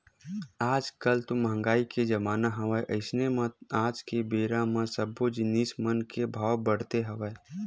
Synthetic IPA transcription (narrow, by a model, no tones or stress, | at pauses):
aːd͡ʒkəlt̪oməɦə̃ŋɡaːiked͡ʒɐmaːnaɦɐʋaeʔəɪsnemãaːd͡ʒkebeːɾãmãsəbod͡ʒnismənkebʱaːwbəɽt̪eɦɐʋae